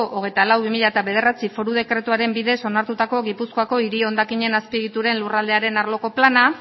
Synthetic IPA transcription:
oʔoɣ̞e̞jt̪alawβimiʎat̪aβe̞ð̞e̞rat͡sifo̞ɾuð̞e̞kɾe̞t̪uaɾe̞mbiðe̞so̞naɾt̪ut̪ako̞ɣipuskoako̞iɾio̞nd̪akiɲe̞naspiɣit̪uɾe̞nlurald̪e̞aɾe̞naɾlo̞ko̞plana

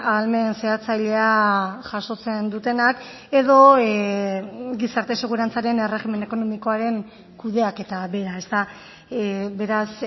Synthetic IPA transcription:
alme̞nse̞at͡sajʎe̞aʝaso̞t͡se̞nd̪ut̪e̞nak | e̞ðo̞ | ɡisaɾt̪e̞se̞ɣ̞uɾant͡saɾe̞nere̞ɣime̞neko̞no̞miko̞aɾe̞ŋ | kuðe̞ake̞t̪aβe̞ɾae̞st̪a | be̞ɾas

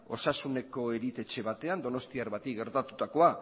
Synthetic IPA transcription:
o̞sasune̞ko̞eɾit̪e̞t͡ʃe̞βat̪e̞and̪o̞no̞st̪iaɾβat̪iɡe̞ɾt̪at̪u̥t̪ako̞a

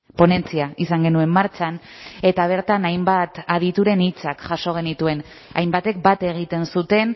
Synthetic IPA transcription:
po̞ne̞nt͡siaisaŋɡe̞nue̞mːaɾt͡ʃan | e̞t̪aβ̞e̞ɾt̪anajmbat̪aðit̪uɾe̞nit͡sakʝaso̞ɣ̞e̞nit̪ue̞n | a̰jmbat̪e̞k̚bat̪e̞ɣ̞it̪e̞nsut̪e̞n

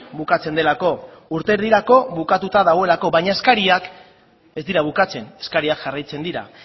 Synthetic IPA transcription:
bukat͡se̞nd̪e̞lako̞ | uɾt̪e̞ɾðiɾako̞βukat̪ut̪aðaɣ̞o̞e̞lako̞βajɲae̞skaɾiak | e̞zd̪iɾaβukat͡se̞ne̞skaɾiakʝarajt͡se̞nd̪iɾa̰

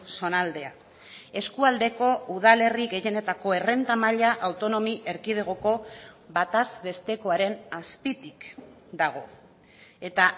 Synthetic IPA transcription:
so̞nald̪e̞a | e̞skuald̪e̞ko̞uð̞ale̞riɣe̞je̞ne̞t̪ako̞e̞re̞nt̪amaʎaʔawt̪o̞no̞miʔe̞ɾkið̞eɣ̞o̞ko̞βat̪azβe̞st̪e̞ko̞aɾe̞naspit̪ik | d̪aɣ̞o̞ | e̞t̪a

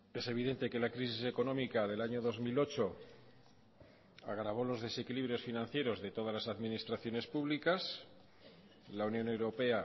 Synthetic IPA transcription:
e̞se̞β̞iðe̞nt̪e̞ke̞lakɾis̬ise̞ko̞nõ̞mikaðe̞laɲo̞ðo̞zmilo̞t͡ʃo̞ | a̰ɣɾaβo̞lo̞zðe̞se̞kiliβ̞ɾjo̞sfinãn̟θje̞ɾo̞zðe̞t̪o̞ðazlasaðmĩnist̪ɾaθjo̞ne̞spuβlikas | launjo̞ne̞wɾo̞pe̞a

